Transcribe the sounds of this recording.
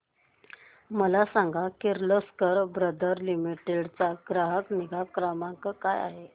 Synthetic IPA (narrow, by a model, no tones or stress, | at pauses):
məlasãŋɡʱakeɾloskəɾbɾəd̪ʱəɾlimiʈeɽt͡saɡɾaɦəkniɡʱakɾamaŋkəkaja̰ɦe